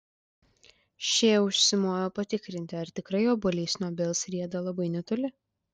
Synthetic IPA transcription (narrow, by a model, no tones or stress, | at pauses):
ʃʲeːʊʃʲsʲɪmoːjoːpɐt̪ʲɪkɾʲɪnʲt̪ʲɪɐɾt̪ʲɪkɾɐɪjoːbolʲiːsnoːbʲɛlˠsɾʲiɛd̪ɐlˠɐbɐɪnʲɛt̪ʊlʲɪ